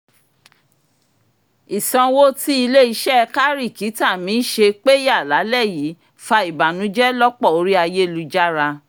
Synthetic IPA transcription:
i˨sɔ̃˧wo˦ti˦i˧le˦i˧˦ʃɛ˦˧ka˦ɾi˦˨ki˨˦ta˦˨mĩ˨˦ʃe˧k͡pe˦ja˦˨la˨˦lɛ˦˨ji˨˦ | fa˧i˨ba˨nũ˨˦d͡ʒɛ˦lɔ˦k͡pɔ˦˨o˧˦ɾi˦a˧je˦lu˧d͡ʒa˦ɾa˧

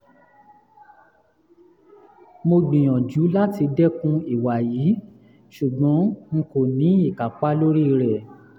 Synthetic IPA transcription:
mo˧ɡ͡bĩ˨j̃ɔ̃˨d͡ʒu˨˦la˦ti˧dɛ˦kũ˦i˨wa˨jiː˨˦ | ʃu˨ɡ͡bɔ̃˨˦ŋ̩˧ko˨nĩ˨˦i˦˨ka˨k͡pa˦lo˦ɾi˦˧ɾɛ˨

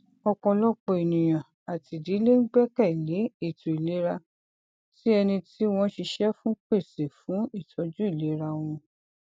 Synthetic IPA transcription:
ɔ˧k͡pɔ̃˧lɔ˦k͡pɔ˧e˨nĩ˨j̃ã˨ | a˨ti˨di˨˦le˦ŋ̩˦ɡ͡bɛ˦kɛ˦˨le˨˦i˦˨tu˨i˨le˨˦ɾa˧ | ti˦ɛ˧nĩ˧ti˦w̃ɔ̃˦ʃi˧ʃɛ˦fũ˦k͡pe˦˨se˨fũ˨˦i˦˨tʰɔ˨˦d͡ʒu˦i˦˨le˨˦ɾa˧w̃ɔ̃˧

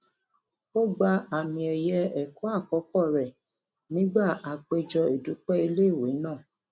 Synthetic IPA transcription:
o˦ɡ͡ba˧a˨mĩ˨ɛ˨jɛ˧ɛ˨kɔ˦a˦˨kɔ˨˦kɔ˦˨ɾɛ˨ | nĩ˦ɡ͡ba˦˨a˨k͡pe˧d͡ʒɔ˧e˨du˨˦k͡pɛ˦i˧le˦˨we˨˦nãː˦˨

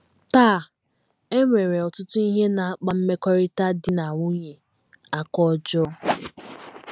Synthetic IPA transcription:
taː˦˨ | e˦ŋʷe˨ɾe˨ɔ˨tʊ˦tʊ˦i˦ɦe˦na˨a˦k͡pa˦m̩˦me˦kɔ˦ɾɪ˦ta˦dɪ˦na˨ŋʷu˦ɲe˨ | a˦kɔ˦d͡ʒʊ˦

